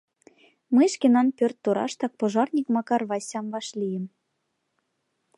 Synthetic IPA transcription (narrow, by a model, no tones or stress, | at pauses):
məjʃkenɑnpørt̪ːoɾɑ̰ʃt̪ɑk̚poʒɑrnʲikmɑkɑrβɑsʲɑmβɑʃlʲijə̆m